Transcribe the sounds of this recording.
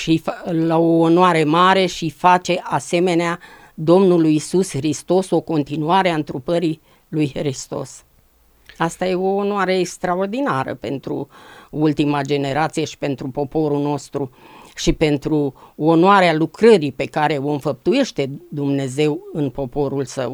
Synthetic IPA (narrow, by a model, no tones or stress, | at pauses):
ʃiflaoːnoaɾe̞maɾe̞ʃifat͡ʃe̞ʔase̞me̞nea | d̪o̞mnulujːisusxɾist̪o̞so̞ko̞nt̪inuaɾeaɨnt̪ɾupəɾi | lujxɾist̪o̰s | ast̪aje̞o̞ːnoaɾe̞ekst̪ɾao̞rd̪inaɾə̰pe̞nt̪ɾṵult̪imad͡ʒe̞ne̞ɾat̪sijeʃi̥pe̞nt̪ɾupo̞po̞ɾuno̞st̪ɾuʃipe̞nt̪ɾuonoaɾealukɾəɾipe̞kaɾe̞o̞ɨnfəp̚t̪uje̞ʃt̪e̞d̪umne̞ze̞wɨnpo̞po̞ɾulsə̰w